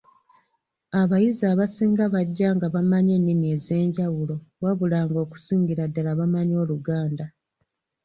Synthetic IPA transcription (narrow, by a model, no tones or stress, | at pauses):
aβajizaːβasiːŋɡaβaɟːaŋɡaβamaɲe̞nːimie̞ze̞ːɲɟawulo̞waβulaːŋɡo̞ːku̥siːŋɡiɾadːalaβamaɲo̞ːluɡaːnda